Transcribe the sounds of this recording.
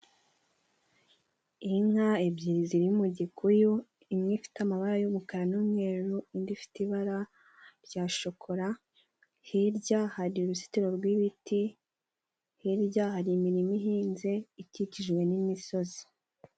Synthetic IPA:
iŋ̥haebɟiɾiziɾiumuɟikʰuju | imŋifi̥tamaβaɾajumukaɾanumŋe̞ɾuindifi̥tiβaɾa | ɾɟaːʃokʰoɾa | hiɾɟahaɾiuɾusi̥tiɾo̞ɾɡwiβiti | hiɾɟahaɾimiɾimiɦiːnze̞iciciʒɡwe̞nimiso̞zi̥

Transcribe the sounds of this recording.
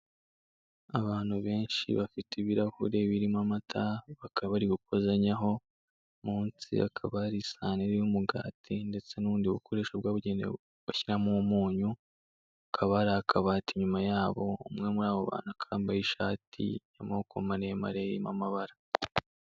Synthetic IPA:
aβaːn̥huβe̞ːnʃḭβafitʰiβiɾahṵɾe̞βiɾimamatʰaβakaβaɾiɡuk̚ozaɲaɦo̞ | muːnsḭa̰kʰaβaɾisaːneɾijumuɡa̰ːtʰinde̞t͡se̞nuːndiuβukʰo̞ɾe̞ːʃabɡaːβuɟenḛ | βaçiɾamumuːɲu | kʰaβaɾaakʰaβaːtiɲumajaːβo̞umŋe̞muɾaːβoβa̰ːn̥huakʰaːmbajiʃaːtʰḭjamakomaɾema̰ɾeḭma̰maβaɾa

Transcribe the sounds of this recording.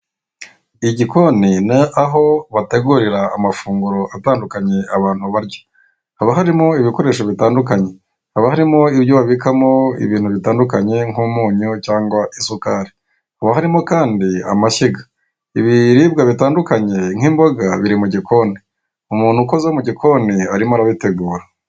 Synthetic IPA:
iɟiko̞ninaaɦo̞βate̞ɡuɾiɾaːmafuːŋɡuɾo̞ʔataːndukaɲe̞aβaːn̥huβaɾɟo̥ | haβaɦaɾimo̞iβiko̞ɾe̞ːʃoβitaːndukaɲe̞ | haβahaɾimo̞ibjoβaβikamo̞ḭβiːn̥huβitaːndukaɲe̞ŋuːmuːɲucaːŋɡwaʔisukaːɾi | haβaɦaɾimo̞kaːndia̰maʃiɡa | iβiɾiːbɡaβitaːndukaɲe̞ŋimbo̞ɡaβiɾimuɟiko̞ːni | umuːnhuko̞zaomuɟikʰo̞ːniaɾimaɾaβite̞ɡuːɾa

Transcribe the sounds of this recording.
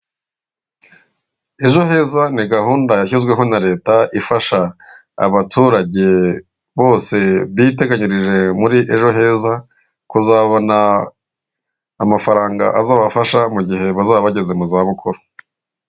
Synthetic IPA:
e̞ʒo̞he̞ːzaniɡahuːndajaçizɡwe̞ɦo̞naɾe̞ːtaʔifaʃa̰ː | βatuːɾaɟe̞ | βo̞ːse̞βit̬e̞ɡaɲiɾiʒe̞muɾiʔe̞ʒo̞ɦe̞ːza | kuzaːβona | mafaɾaːŋɡa̰ʔazaːβafaʃamuɟihe̞βazaːβaβaɟe̞ze̞muzaːβukʰuɾo̥

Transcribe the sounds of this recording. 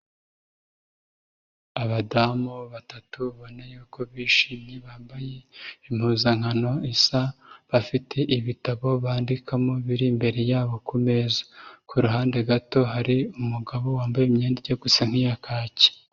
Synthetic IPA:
aβadamuβatatuβo̞najuːko̞βiːʃiːmɲe̞βaːmbaje̞im̥huːzaŋ̥ano̞isaβafitʰe̞ʔiβitaβo̞βaːndikamo̞βiɾimbe̞ɾe̞jaːβo̞kume̞zḁkuɾuɦaːnde̞ɡato̞ɦaɾiumuɡaβo̞waːmbajemɲeːndeɟeɡusaŋ̥hijakʰaːce̥

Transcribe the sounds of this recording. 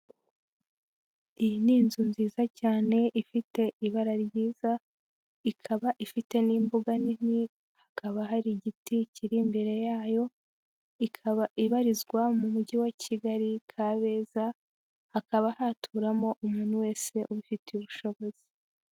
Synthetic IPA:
ijiniːnzunziːzacaːne̞ʔifite̞iβaɾaɾɟiːza | ikʰaβaʔifite̞niːmbuɡanini | hakaβaɦaɾiɟiticiɾimbe̞ɾe̞jaːjo̞ | ikʰaβaiβaɾizɡwamumuɟiwacʰiɡaɾikʰaβe̞za | hakaβahaːtʰuːɾamo̞ʔumuːnuwe̞ːse̞ʔuβufitiuβuʃo̞βo̞z̥i

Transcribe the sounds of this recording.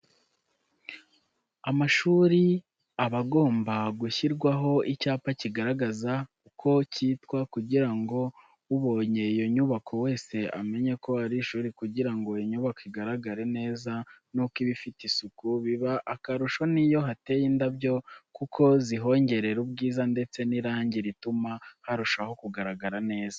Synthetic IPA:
amaʃuːɾi | aβaɡo̞ːmbaɡuçiɾɡwaɦo̞icaːpaciɡaɾaɡazakukʰo̞ciːtkwakuɟiɾaŋɡo̞ | uβo̞ːɲe̞ijo̞ɲuβakʰo̞we̞ːse̞a̰me̞ɲe̞ko̞aɾiʃuːɾikuɟiɾaŋɡo̞joɲuβakoiɡaɾaɡaɾe̞ne̞ːzanukiβifitisukuβiβaʔakaɾuʃo̞nijo̞ɦate̞jiːndabjo̞kukʰo̞ziɦo̞ːɲɟe̞ɾe̞ɾubɡiːzande̞t͡se̞niɾaːɲɟiɾitumahaɾuʃaho̞kuɡaɾaɡaɾane̞ːza

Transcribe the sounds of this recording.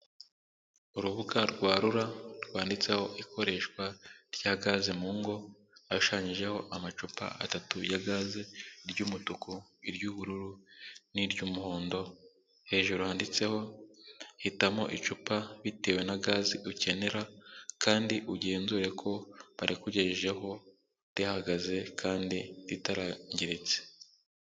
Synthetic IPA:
uɾuβuɡaɾɡwaːɾuɾaɾɡwaːndit͡se̞ho̞ʔikʰo̞ɾe̞ʃkwaɾjaːɡaːzimuŋɡo̞ | auʃaːɲiʒe̞ho̞ʔamat͡ʃupa̰ʔa̰tatujaɡaːziɾɟuːmutukoiɾɟuːβuɾuɾuniɾɟuːmuhoːndo̞ | he̞ːʒuɾuhandit͡se̞ho̞ | hitamo̞̰ʔit͡ʃupaβite̞ːwe̞naɡaːziʔuce̞ne̞ɾakʰaːndiʔuɟe̞ːnzuɾe̞kʰo̞βaɾʔikuɟeʒeʒe̞ho̞ | ɾihaɡaze̞kʰaːndiɾitaɾaɲɟiɾit͡se̥

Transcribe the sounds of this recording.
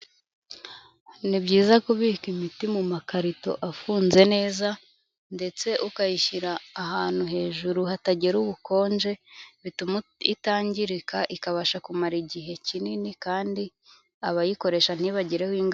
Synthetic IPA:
nibɟiːzakoβikimitimumakaɾito̞̰ʔafuːnze̞ne̞ːza | nde̞t͡se̞ʔukajiçiɾaːɦaːn̥huɦe̞ːʒuɾuhataɟiɾuβuko̞ːnd͡ʒe̞ | itaːɲɟiɾikaʔikaβaʃakumaɾiɟiɦe̞cininikaːndi | aβajiko̞ɾe̞ʃan̥iβaɟiɾehwiːŋɡ

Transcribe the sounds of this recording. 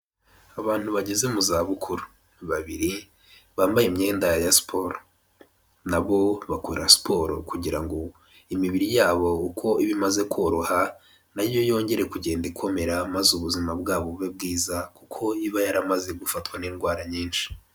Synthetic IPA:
aβaːn̥huβaɟeze̞muzaːβukʰuɾu̥ | βaβiɾi | βaːmbajemɲe̞ːndajasi̥pʰo̞ɾo | naβo̞βakuɾasi̥pʰo̞ɾo̰kuɟiɾaŋɡo̞ | imiβiɾijaːβo̞ukʰo̞iβimaze̞kʰoɾoha | naɾjo̞jo̞ːɲɟe̞ɾe̞kuɟe̞ːndikwo̞me̞ɾamazuβuzimabɡaːβoβeb̚ɡiːzakukʰo̞iβajaɾamaze̞ɡufatwaniːnɡwaːɾaɲiːnʃi̥

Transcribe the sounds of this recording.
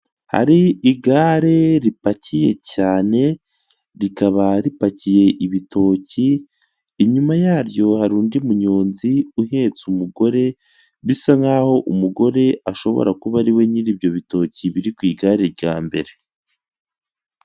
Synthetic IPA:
ha̰ɾiiɡaɾe̞ɾipacije̞̰caːne̞ | ɾikaβaɾipacije̞ʔiβito̞ciː | ɲumajaːɾjo̞haɾuːndimuɲoːnziuɦe̞ːt͡sumuɡo̞ɾe̞ | βisaŋaːho̞ʔumuɡo̞ɾe̞aʃo̞βo̞̰ɾakuβaɾiwe̞niɾibjo̞βito̞ːciβiɾikwiːɡaːɾe̞ɾɟaːmbe̞ɾe

